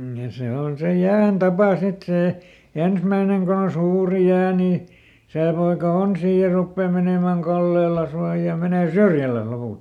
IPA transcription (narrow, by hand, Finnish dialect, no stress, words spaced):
jɑ se on se jæːn tɑpɑ sit seˑ ensmæineŋ ko on suːri jæː ni seˑ poikɑ on siː jɑ rupːeː meneˑmæˑŋ kɑlːelːɑs jɑ meneˑ syrjælæs lopult